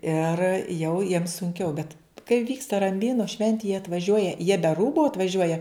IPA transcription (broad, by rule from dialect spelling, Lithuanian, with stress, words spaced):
ɪr jɛʊ jiɛm sʊŋʲˈkʲɛʊ bʲɛt kɐɪ ˈʋʲiːkstɐ rɐmʲˈbʲiːnʊ ˈʃʲʋʲɛnʲtʲɪ jiɛ ɐtʋɐˈʒʲuɔjɛ jiɛ bʲɛ ˈruːbʊ ɐtʋɐˈʒʲuɔjɛ